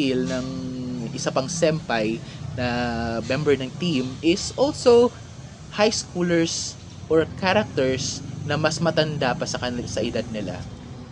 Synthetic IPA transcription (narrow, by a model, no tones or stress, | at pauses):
ɪlnɐŋʔɪsapɐŋsɛmpajnɐmɛmbɛɹnɐŋt̪ĩmɪsʔolso | hajskulɛɹs | ʔɔɹkʰaɾɐk̚t̪ɛɹsnɐmɐsmɐt̪ɐnd̪apɐsɐɐsɐʔɪd̪ad̪̚nɪla̰